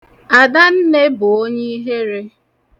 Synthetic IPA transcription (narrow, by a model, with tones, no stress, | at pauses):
a˨da˦n̩˦ne˦bʊ˨o˦ɲe˦i˦ɦe˦ɾe˦